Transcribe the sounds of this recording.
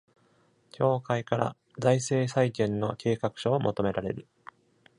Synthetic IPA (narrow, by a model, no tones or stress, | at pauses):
kʲʰo̞ːkaikaɾa̰ | zaise̞ːsaikẽ̞nːo̞kʲe̞ːkakɯ̟̥ɕoːmʔo̞t̪o̞me̞ɾaɾe̞ɾɯ̟